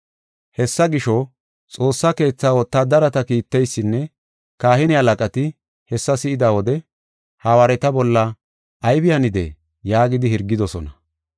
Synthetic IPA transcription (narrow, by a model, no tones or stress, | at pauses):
hɛsːɐɡɪʃɔ | t͡sʼo̞ːsːɐke̞ːt͡sːaːwɔt̪ːad̪ɐɾɐt̪ɐkiːt̪ːɛjsːɪnːɛ | kaːhɪnɪɐlɐkʼɐt̪ɪ | hɛsːɐsɪɪd̪aːwɔd̪ɛ | haːwaːɾɛt̪ɐbɔlːɐː | jbɪjɐnɪd̪ɛ̰ | jaːɡɪd̪ɪhɪɾɡːɪd̪ɔsɔnɐ